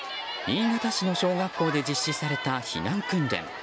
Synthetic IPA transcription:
ɲʲĩːɡat̪aɕino̞ɕo̞ːɡakːo̞ːd̪e̞d͡ʑiɕːisaɾe̞t̪açḭnãŋkɯ̟̃nd̪ḛ̃ŋ

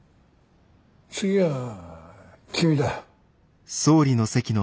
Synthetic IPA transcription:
t͡sɨɡʲia | kʲʰɨid̪a | so̞ːɾʲino̞se̞kʲino

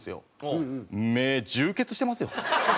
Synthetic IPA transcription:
sɨjo̰ | omed͡ʑɨːke̞t͡sɨ̥ɕi̥t̪e̞masɨjo

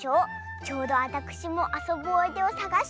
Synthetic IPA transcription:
o̞ː | t͡ɕo̞ːd̪o̞βat̪akɯ̟̥ɕimo̞ʔaso̞bɯ̟oit̪e̞osaɡaɕ

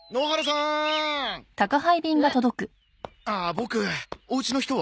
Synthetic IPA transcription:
no̞ːɦaɾɯsã | t̪akaɦaibʲĩŋɡat̪o̞d̪o̞kɯ̟ | aːbo̞kɯ̟o̞ɯ̟t͡ɕino̞çi̥t̪o̞βa

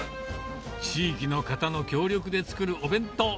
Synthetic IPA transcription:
t͡ɕiːkʲino̞kat̪ano̞kʲo̞ːɾʲjo̞kɯ̟d̪e̞t͡sɨ̥kɯ̟ɾɯ̟ʔo̞bẽ̞nt̪o̞

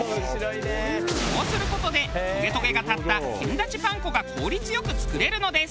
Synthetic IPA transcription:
oːsɨɾɯ̟ko̞t̪o̞d̪eɯɡe̞t̪o̞ɡe̞ɡat̪at̪ːakḛ̃nd̪at͡ɕipãŋko̞ɡakʰo̞ːɾʲit͡sɨjo̞kɯ̟t͡sɨ̥kɯ̟ɾe̞ɾɯ̟no̞d̪e̞s

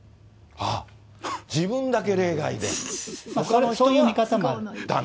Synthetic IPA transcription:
a | d͡ʑibɯ̟̃nd̪ake̞ɾe̞ːɡaid̪ḛmaokaɾosoːjɯːmʲikat̪amoaɾɯd̪a

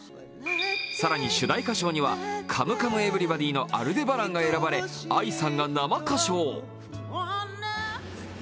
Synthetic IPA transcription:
saɾaɲ̟iɕɨd̪aikaɕo̞ːɲ̟iβa̰kʰamɯ̟kamɯ̟e̞bɯ̟ɾʲibad̪ʲiːno̞ʔa̰ɾɯ̟d̪e̞baɾãŋɡae̞ɾabaɾe̞aisãŋɡanamakaɕo̞ː

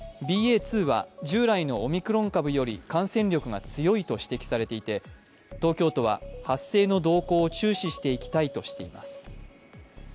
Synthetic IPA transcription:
bʲiːe̞ːt͡sɨːβa̰d͡ʑɨːɾaino̞ːmʲikɯ̟ɾõ̞ŋkabɯ̟jo̞ɾʲḭkãɰ̃sẽ̞ɲʲo̞kɯ̟ɡa̰t͡sɨjo̞it̪o̞ɕi̥t̪e̞kʲi̥saɾe̞t̪e̞it̪e̞ | t̪o̞ːkʲo̞ːt̪o̞β̞a̰hasːe̞ːno̞d̪o̞ːko̞ːt͡ɕɨːɕiɕi̥t̪e̞ikʲi̥t̪ait̪o̞ɕi̥t̪e̞ima̰sɨ̥

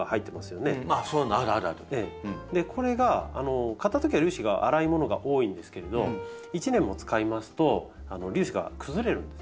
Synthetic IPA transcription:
ahait̪ːe̞masɨjo̞ne̞asoaɾɯaɾɯ̟aɾɯeːd̪e̞kʰo̞ɾe̞ɡaa̰no̞kat̪ːat̪o̞k̬ʲiβaɾʲɯːɕiɡa̰ʔa̰ɾaimo̞no̞ɡa̰ʔo̞ːĩnd̪e̞sɨ̥ke̞ɾe̞d̪o̞ | it͡ɕinẽ̞mːo̞t͡sɨ̥kaimasɨ̥t̪o̞ | ano̞ɾʲɨːɕiɡa̰kʰɯ̟zɨɾe̞ɾɯ̟̃nd̪es

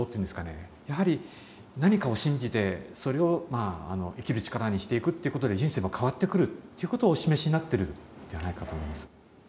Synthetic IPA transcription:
ot̪eiɯ̟nd̪esɨkane̞̰jaɦaɾʲi | naɲ̟ikao̞ɕĩɲ̟d͡ʑit̪e̞so̞ɾe̞o̞maa̰noʔikʲiɾɯ̟t͡ɕi̥kaɾaɲ̟iɕi̥t̪e̞ikɯ̟t̪ːe̞iɯ̟ko̞t̪o̞d̪e̞ʑĩse̞ːmakʰaβat̪ːe̞kɯ̟ɾɯ̟t̪ːe̞iɯ̟ko̞t̪oːɕime̞ɕiɲinat̪ːe̞ɾɯ̟d̪e̞anaikat̪o̞ːmo̞imasɨ̥

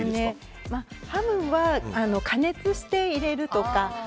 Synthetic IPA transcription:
ɨne̞ | mahamɯ̟βaano̞kʰane̞t͡sɨɕi̥t̪e̞iɾe̞ɾɯ̟t̪o̞ka

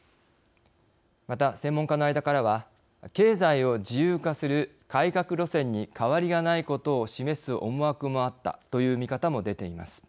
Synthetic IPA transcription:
mat̪asẽ̞mːõ̞ŋkano̞aid̪akaɾaβa | ke̞ːzaio̞d͡ʑijɯːkasɨɾɯ̟ | kaikakɯ̟ɾo̞sẽ̞ɲ̟ːikʰaβaɾʲiɡanaiko̞t̪o̞ːɕime̞sɨʔo̞moakɯ̟mo̞at̪ːa̰t̪o̞jɯ̟ːmʲikat̪amo̞d̪e̞t̪e̞ima̰sɨ̥

